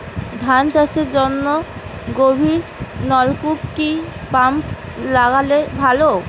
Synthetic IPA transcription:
d̪ʱant͡ɕaseɾd͡ʑɔnːɔɡobʱiɾnɔlkupkipamp | laɡalebʱalo

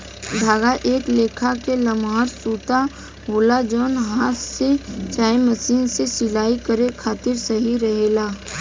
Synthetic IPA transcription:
d̪ʱaːɡaʔeːkleːkʰakelɐmaːɾsuːt̪a | ɦoːlad͡ʒɔːnɦaːt̪set͡ʃaːemɐsiːnsesɪlaːikəɾekʰaːt̪ɪɾsɐɦiɾɐɦelaː

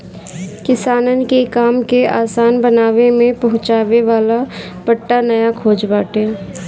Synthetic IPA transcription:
kɪsaːnənkekaːmkeaːsaːnbɐnaːʋemẽpɐɦʊ̃t͡ʃaːʋeʋaːla | b̥ɐʈːanɐjakʰoːd͡ʒbaːʈɦeː

